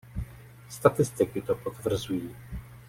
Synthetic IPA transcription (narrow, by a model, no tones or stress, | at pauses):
st̪at̪ɪst̪ɪkɪt̪ɔpɔt̪vr̩zuji